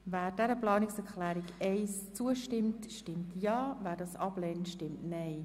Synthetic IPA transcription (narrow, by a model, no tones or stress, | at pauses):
væːɾdɛɾəplɑːnɪksɛɾklæːɾiɡɛɪst͡suəʃtɪmtʃtɪmtʰjɑːvæːɾdɑːsɑb̥lɛːntʃtɪmtnɛɪ